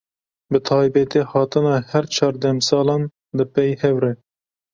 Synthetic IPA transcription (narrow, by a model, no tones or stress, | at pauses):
bɨt̪ʰɑːjbɛt̪eːhɑːt̪ɨnɑhɛɾt͡ʃʰɑːɾd̪ɛmsɑːlɑn | d̪ɨpɛjhɛwɾɛ